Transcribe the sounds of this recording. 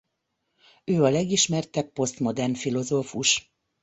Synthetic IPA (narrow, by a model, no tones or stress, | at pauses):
øːɒlɛɡiʃmɛrt̪ɛpːo̞st̪mo̞d̪ɛrnfilo̞zoːfuʃ